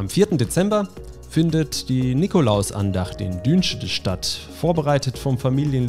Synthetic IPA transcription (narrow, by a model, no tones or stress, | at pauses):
ʔamfiːɐtn̩det͡sɛmbɐ | fɪndətd̥iːnikolaʊsʔa̰ndaχt̚d̥ḛːndyːnʃədəʃtat | foːɐbəʁaɪtətfɔmfamiːljən